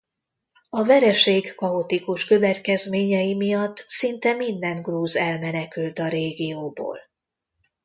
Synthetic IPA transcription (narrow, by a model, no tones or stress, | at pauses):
ɒvɛɾɛʃeːɡːɒot̪ikuʃkø̞vɛt̪kɛzmeːɲɛjimijɒt̪ːsint̪ɛmind̪ɛnɡruːzɛlmɛnɛkylt̪ɒɾeːɡijoːbo̰ːl